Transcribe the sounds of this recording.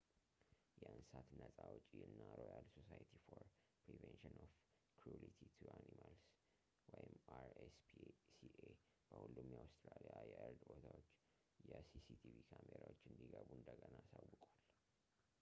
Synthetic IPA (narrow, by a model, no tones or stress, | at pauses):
jɛɨnsat̪nəsʼawʊt͡ʃʼiɨnːaɾojalsosajt̪ʰifoɾ | pɾivɛnʃɨnof | kʰɾulit̪ʰit̪ʰuʔanimals | wɔjɪmaɾespʰisie | b̥əhulːumjawst̪ʼɾalijajɛʔɨɾd̪bot̪ʰawot͡ʃː | jɛsisit̪ʰivikʰameɾawot͡ʃːɨnd̪iɡəβuɨnd̪əɡənaːsawːʊkʼwal